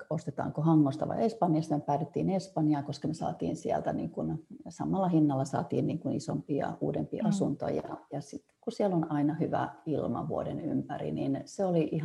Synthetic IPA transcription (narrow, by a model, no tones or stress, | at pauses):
ost̪et̪ɑ̰ːŋkohɑŋːost̪ɑʋɑ̰iespɑnjɑst̪ɑnepæːt̪et̪ːiːnespɑnjɑːkoskɑnesɑ̰ːt̪ḭːnsiælt̪ænḭːŋkunsɑmːˑɑlːɑhinːɑlːɑsɑ̰ːt̪iːnniːŋkunisompiɑ̰ṵːdempiʔɑsunt̪o̰jɑ̰jɑsit̪ːkusielonɑinɑhyʋæ̰ilmɑ̰ʋuodenympærḭninseoliʔih